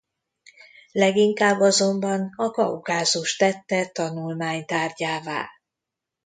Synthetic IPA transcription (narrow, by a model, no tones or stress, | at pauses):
lɛɡiŋkaːbːɒzo̞mbɒnɒkɒ̰wkaːzuʃt̪ɛt̪ːɛt̪ɒnulmaːɲt̪aːrɟaːva̰ːl